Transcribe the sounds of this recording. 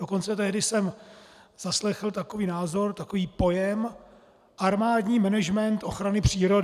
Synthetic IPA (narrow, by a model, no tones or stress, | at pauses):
oko̞nt͡sɛt̪ɛɦdɪsɛm | z̥aslɛxl̩t̪ako̞viːnaːzo̞ɾt̪akoviːpo̞jɛm | ʔaɾmaːdɲiːmɛnɛʒmɛnt̪ʔo̞xɾanɪpr̝̥iːɾo̞d